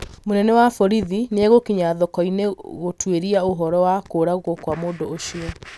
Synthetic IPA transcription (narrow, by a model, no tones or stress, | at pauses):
monɛnɛwafɔɾiðineaɣokiɲaðɔkɔineɣotweɾiaoɦɔɾɔwakoːɾaɣɔkwamoːndooʃiɔ